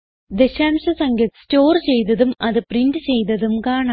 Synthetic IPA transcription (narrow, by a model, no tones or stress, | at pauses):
d̪e̞ɕaːmɕɐsɐŋɡɐt̪sto̞ːrt͡ɕe̞jt̪̬ɐðumɐðɨprindɨt͡ɕe̞jt̪̬ɐðumkaːɳa